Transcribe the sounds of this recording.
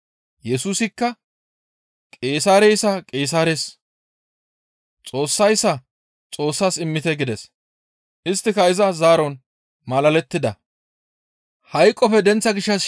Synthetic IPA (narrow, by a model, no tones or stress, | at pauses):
jɛsuːsɪkːɐ | kʼe̞ːsaːɾejsɐkʼe̞ːs̬aːɾes | t͡sʼo̞ːsːɐjsːɐ | t͡sʼo̞ːsːaːsɪmːɪt̪ɛɡɪd̪ɛs | ʔɪst̪ːɪkɐɪzɐzaːɾɔn | mɐlɐlɛt̪ːɪd̪ɐ̰ | hɐjkʼːɔfɛd̪ɛnt͡sːɐɡɪʃːɐs